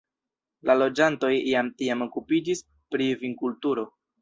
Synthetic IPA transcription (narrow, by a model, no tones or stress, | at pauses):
lalo̞d͡ʒanto̞jiamtiamo̞kupid͡ʒis | pɾiviŋkultuɾo̞